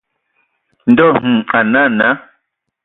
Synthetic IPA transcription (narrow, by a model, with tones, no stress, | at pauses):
n̩˦dɔ˦˨ŋ̥̩˨a˨na˦˨na˦